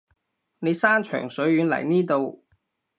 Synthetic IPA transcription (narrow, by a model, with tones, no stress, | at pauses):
ne˨˧jsaː˥nt͡ʃʰœ̰ː˨˩ŋsɵ˨˥ɥɥyː˨˧nlɐ̰˨˩jniː˥t̪o˨˧w